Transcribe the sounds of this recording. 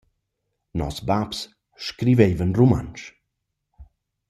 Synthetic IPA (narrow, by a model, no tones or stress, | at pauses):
nɔ̰sbaps | ʃkɾivejvənruma̰nʃ